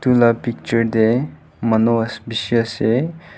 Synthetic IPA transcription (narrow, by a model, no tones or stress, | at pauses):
t̪ulapik̚t͡ʃəɾd̪e | mənoəsbiʃəse